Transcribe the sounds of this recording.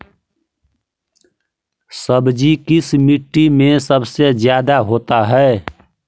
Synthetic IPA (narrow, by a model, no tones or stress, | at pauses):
səbd͡ʒikɪsmiʈːimẽsəbsed͡ʒjaːd̪aɦoːt̪aɦɛː